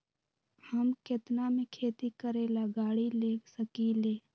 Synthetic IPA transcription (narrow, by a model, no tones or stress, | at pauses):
həmkɪt̪namẽkʰeːt̪ikəɾeːlaɡaːɽileːksəkileː